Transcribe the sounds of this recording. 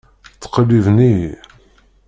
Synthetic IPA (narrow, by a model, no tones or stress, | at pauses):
t͡sːə̥qlivni